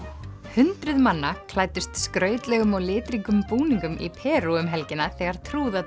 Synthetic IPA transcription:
hʏnt̪ɾʏðmanːakʰlaːjt̪ɪst̪skɾœːɥt̪lɛɣʏmaɣlɪːt̪ɾiŋkʏmpuːniŋkʏmʔḭpʰɛːɾuʏmɦɛlcɪnaθɛɣaɾ̥t̪ʰɾuːða

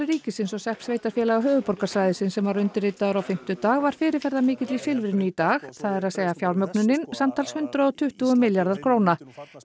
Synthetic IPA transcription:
ɾiːcɪsɪnsɔsɛhmsveːjt̪aɾ̥fjɛːlaɣaɦœːvʏpɔrkḁsajðɪsɪnsɛmvaɾʏnt̪ɪreːt̪aðʏɾawfɪm̥t̪ʏt̪aːɣvaɾ̥fɪːɾɪfɛɾðamɪːcɪt̪vifɪlvɪɾɪnʏit̪aːxθaðɛɾaðseːjɣafjawlmœknʏnːɪnsamt̪ʰalshʏnt̪ɾaɔt̪ʰʏht̪uɣʏmɪljaɾðaɾ̥kʰɾoːwna

